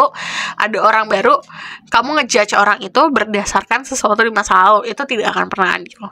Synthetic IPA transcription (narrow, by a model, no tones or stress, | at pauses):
ʔa̰daoɾaŋbaɾukamuŋəd͡ʒat͡ʃoɾaŋit̪ubərdasarkansəsuat̪udimasaoit̪ut̪idaːkanpərnaɦa̰dil